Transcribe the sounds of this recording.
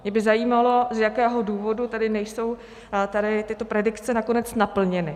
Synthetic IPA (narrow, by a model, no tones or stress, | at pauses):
mɲɛbɪzajiːmalo̞zjakɛːɦo̞duːvo̞dut̪ɛdɪnɛjso̞w | t̪adɪt̪ɪt̪o̞pɾɛdɪkt͡sɛnakonɛt͡snapl̩ɲɛnɪ